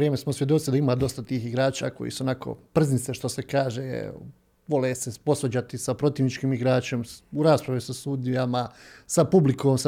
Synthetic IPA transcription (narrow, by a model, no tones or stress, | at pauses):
ɾjeːmesmosʋjed̪ot̪id̪aimaːd̪o̞st̪at̪iːxiɡɾaːt͡ʃa̰ːko̞̰jḭːsuo̞nakʰo̰pr̩znit̪se̞ʃt̪o̞se̞kaːʒḛ | ʋo̞lesepo̞sʋod͡ʑat̪isapɾo̞t̪iːʋnit͡ʃkiːmiɡɾaːt͡ʃe̞muɾaːspɾaʋisasuːd̪ijamasapublikoːms